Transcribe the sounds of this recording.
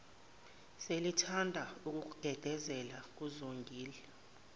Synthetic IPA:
selitʰandʱauk̬ʼuk̬uɡ̥ʱɛɡ̥ʱɛzɛlak̬uzoŋɡʱiːlɛ

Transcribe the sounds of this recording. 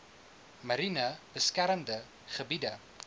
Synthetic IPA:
mɐɾinɐb̥əskæɾəmdə | χəbidə

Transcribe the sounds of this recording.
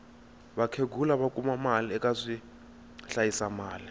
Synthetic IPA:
ɓakʰeɡʱulaɓakʼumamaliɛkʼazʷi | ɬajisamaːli

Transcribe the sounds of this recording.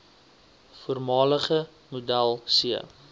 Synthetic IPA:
fuərmɑːləχə | mudælˠsiə̰

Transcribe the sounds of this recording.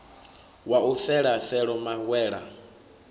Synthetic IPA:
waufɛɺafɛɺɔmaɣwɛːɺa̰

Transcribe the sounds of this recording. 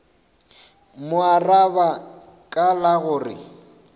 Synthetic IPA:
mʊaraba | kʼalaɣʊːrɪ̰

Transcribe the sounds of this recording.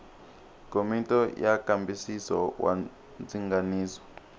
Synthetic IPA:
komitʼɔjakambisisɔ̰wʔa̰ | nd͡ziŋɡaniːzɔ

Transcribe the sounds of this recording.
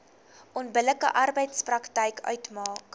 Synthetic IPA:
ʔɔnbələkə̰ʔɐrbəjtsprɐktɛjkʰœ̰ɥtmɑːk

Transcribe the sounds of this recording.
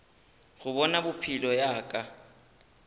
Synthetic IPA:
ɣʊbɔnabʊpʰilɔjaːkʼa

